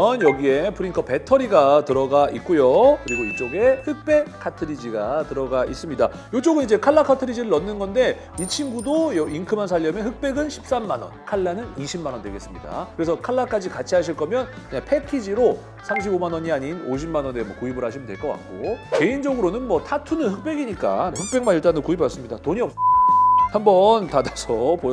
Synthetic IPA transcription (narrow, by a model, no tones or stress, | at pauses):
ʌnjʌɡie̞pʰɯɾiŋkʰʌpe̞tʰʌɾiɡatɯɾʌɡaʔit̚k͈ujokɯɾiɡoit͡ɕ͈oɡe̞hɯk̚p͈e̞kʰatʰɯɾid͡ʑiɡatɯɾʌɡaʔis͈ɯmɲida̰ | jot͡ɕ͈oɡɯnid͡ʑe̞kʰaɭːakʰatʰɯɾid͡ʑiɾɯɭːʌnːɯnɡʌnde̞ | it͡ɕʰinɡudojʌiŋkʰɯmans̬ʰaʎːʌmjeɦɯk̚p͈e̞ɡɯnɕʰi̥p̚s͈amːanwʌ̰nkʰaɭːanɯniɕʰimanʌndweɡe̞s͈ɯmɲida̰kɯɾe̞s̬ʰʌkʰaɭːak͈ad͡ʑikat͡ɕʰiɦaɕ̬ʰiɭk͈ʌmjʌnkɯɲaŋpʰe̞kʰid͡ʑiɾo | sʰamɕʰibomanwʌɲiaɲinoɕ̬ʰimanwʌnemwʌkuibɯɾhaɕ̬ʰimɯndwe̞ɭk͈ʌk͈a̰k̚k͈oke̞ind͡ʑʌɡɯɾonɯnmwʌtʰatʰunɯnhɯk̚p͈e̞ɡiɲik͈a̰nehɯk̚p͈e̞ŋmaniɭt͈anɯkuibas͈ɯmɲidatoɲiʌp̚ | hambʌntadasʰʌpo